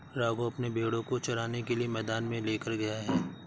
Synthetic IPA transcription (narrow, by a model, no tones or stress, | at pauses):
ɾaːɡoɐpnebʱeːɽõkot͡ʃɐɾaːnekeliemɛːd̪aːnmẽleːkəɾɡɐjaɦɛː